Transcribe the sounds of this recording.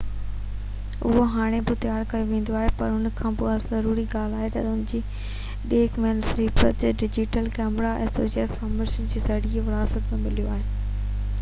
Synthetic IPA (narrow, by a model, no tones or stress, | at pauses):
ʊ̰ɦoɦaːɽ̃ebɪt̪ɐjaːɾkɐjoʋẽːn̆d̪oaːɦepɐɾʊnkʰãːbʊazɐɾuːɾiɡaːl̤aːɦet̪ɐ̰ʊnɪ̃d͡ʑiː | ɗeːkmeːlsɾiːpətɖɪd͡ʑɪʈəlkɛːmɾaʔɛ̰̃ːso̰ːsiəɾfɐɾmeːʃənd͡ʑiːsɐɽieʋɐɽaːsət̪mẽmɪlijoaːɦeː